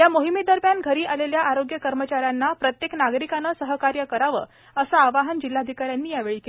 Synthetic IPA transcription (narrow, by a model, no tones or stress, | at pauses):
jamoɦimid̪əɾmjanɡʱəɾiːʔaleljaʔaɾoɡjəkəɾmət͡ɕaɾjanːapɾət̪jeknaɡɾikanəsəɦəkaɾjəkəɾaʋəː | əsaːʋaɦənd͡ʑilːad̪ʱikaɾjanːiːjaʋeɭiːke